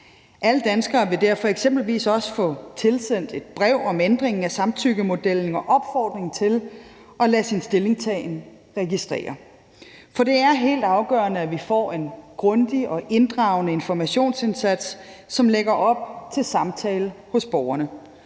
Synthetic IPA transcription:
ʔæləd̥ænsɡ̥ɐːʋe̝d̥æɐ̰fɒ̽eɡ̥sem̰b̥l̩ʋḭːsɒ̽sə̥fɔ̽t͡sʰe̝lsen̰d̥e̝d̥̚b̥ʁɛʊ̰ɒ̽mend̥ʁeŋŋ̩æsɑ̈mt͡sʰyɡ̥əmo̝d̥el̰n̩ɒ̽ʔɒ̽b̥fɒːd̥ʁeŋt͡sʰe̝l | ʔɒ̽læsinsd̥e̝le̝ŋst͡sʰɛɪn | ʁɛɡisd̥ʁɛ̰ːɐ | fɒ̽ɾ̥e̝æɐɦe̝̰ːld̥ɑ̈ʊɡ̥œːɐnəæʋifɒ̰e̝nɡ̥ʁɔ̽nd̥iɒ̽ʔe̝nd̥ʁɑ̈ʊnəe̝nfɒmæɕo̝̰ːnse̝nsæd̥sː | ɒ̽mleɡ̥ɐʔɒ̽b̥̚t͡sʰe̝lsɑ̈mt͡sʰɛːləhɔ̽sb̥ɒʊɐnə

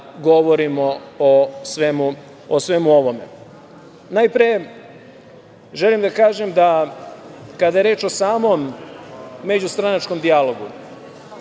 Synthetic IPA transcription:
ɡo̞ʋoɾimoosʋemu | osʋe̞muo̞ʋo̞me̞̰ | najpɾije | ʒelimd̪akaːʒemd̪a | kad̪ajeɾe̞ːt͡ʃo̞saːmo̞mː | e̞d͡ʑust̪ɾanat͡ʃko̞md̪ialo̞ɡu

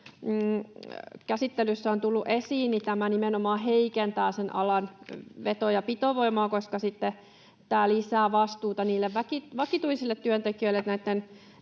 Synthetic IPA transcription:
kæsit̪ːelysːæont̪ulːuʔesiːnnit̪æmænimenomɑːɦeikent̪æːsenʔɑ̰lɑnʋet̪ojɑpit̪oʋoimɑːkoskɑsit̪ːe | t̪æːlisæːʋɑst̪uːt̪ɑniːlːeʋʋækiʋɑkit̪uisilːet̪tyønt̪ekiøilːet̪næit̪ːen

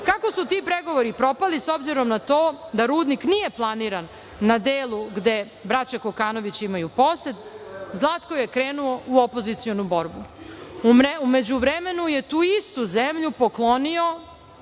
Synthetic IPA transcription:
kakosut̪iːpɾeɡo̞ʋoɾipɾo̞paliso̞bziɾo̞mnat̪oːd̪aɾuːd̪niknije̞plˠaniɾanː | ad̪eːlˠuɡd̪e̞ | bɾat͡ɕakokaːno̞ʋit͡ɕimajupo̞set̪zlˠaːt̪koje̞kɾeːnuo̞uopo̞zit̪sio̞nubo̞ɾbu | mume̞d͡ʑuʋɾeme̞nuje̞t̪uːist̪uzemʎupo̞klˠo̞nio̞

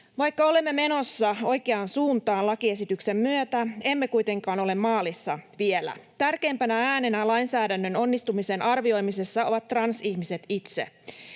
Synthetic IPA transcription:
ʋɑjkːɑo̞le̞mːeme̞no̞sːɑo̞jke̞ɑːnsuːnt̪ɑːnlɑkie̞sit̪ykse̞mːyøt̪æe̞mːekujt̪e̞ŋkɑːno̞le̞mːɑːlisːɑʋielæ̰t̪ærke̞ːmpænææːnenælɑjnsæːdænːøno̞nːist̪umisenʔɑrʋio̞jmise̞sːɑo̞ʋɑt̪ːrɑnsiçmise̞t̪it̪sḛ

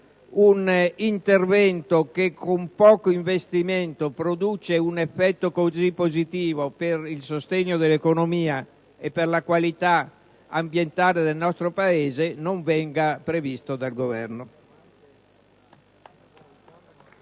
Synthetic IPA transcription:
unint̪ervɛnt̪okekʰːompɔːkoiɱvest̪iment̪opɾod̪uːt͡ʃeunefːɛt̪ːokozipːozit̪iːvoperilsost̪eɲːod̪elːekonomiːa | epːerlakwalit̪a | ambjent̪aːled̪elnɔst̪ɾopaeːzenoɱvɛŋɡapɾevist̪od̪alɡovɛ̰rno

